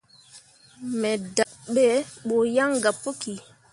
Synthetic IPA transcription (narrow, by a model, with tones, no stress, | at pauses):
mɛ˨da˨ʔɓɛ˦ɓo˨ja˦ŋɡa˨pːo˦ki˨